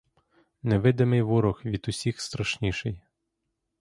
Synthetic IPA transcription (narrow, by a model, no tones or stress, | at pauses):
nɛʋɪd̪ɪmɪjʋʊɾɔxʋʲid̪ʊsʲixst̪ɾɐʃnʲiʃɪj